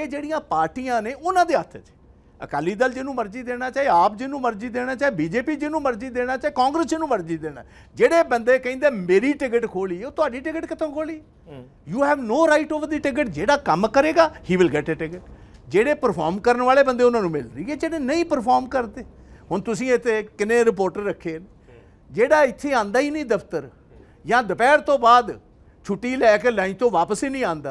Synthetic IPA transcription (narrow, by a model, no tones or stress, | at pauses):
eːd͡ʒeːɽijãːpaːɾʈiːãːneːʊnãːd̪eːət̪ʰt͡ʃ | ə̰kaːliːd̪əld͡ʒɪnũːməɾd͡ʒiːd̪eːɽ̃aːt͡ʃaːeaːp̚d͡ʒɪnũːməɾd͡ʒiːd̪eːɽ̃aːt͡ʃaːeːbiːd͡ʒeːpiːd͡ʒɪnũːməɾd͡ʒiːd̪eːɽ̃aːt͡ʃaːeːkãːŋɡɾəsd͡ʒɪnũːməɾd͡ʒiːd̪eːɽa̰ː | d͡ʒeːɽeːbənd̪eːkəĩːnd̪eːmeːɾiːʈɪɡəʈkʰoːliːɛːoːt̪ʊaːɖiːʈɪɡəʈkɪt̪õːkʰoːliːɛ | juːɦɛːʋnoːɾaːɪʈoːʋəɾd̪iːʈɪɡəʈd͡ʒeːɽaːkəmkəɾeːɡaːhiːʋɪlɡɛːʈeːʈɪɡəʈd͡ʒeːɽeːpəɾpʰaːɾmkəɾənʋaːleːbənd̪eːʊnãːnũːmɪ̰lɾəiːɛːd͡ʒeːɽeːnəĩːpəɾpʰaːɾmkəɾd̪eːɦʊnt̪ʊsĩːet̪ʰːeːkɪnẽːɾɪp̬oːɾʈəɾːəkʰːeːn | d͡ʒeːɽaːɪt̪ʰːeːãːnd̪aːiːnə̃ĩːd̪əpt̪əɾ | jãːd̪əpɛːɾt̪õːbaːd̪ | t͡ʃʰʊʈːiːlɛːkeːlãːĩt̪õːʋaːpəsiːnĩːãːnd̪aː